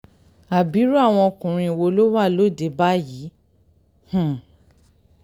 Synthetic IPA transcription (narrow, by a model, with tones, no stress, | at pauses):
a˨bi˨˦ɾu˦a˦˨w̃ɔ̃˧kũ˨ɾ̃ĩ˧˨wo˧lo˦wa˦˨lo˦˨de˨˦ba˦ji˨˦ | hũ˦˨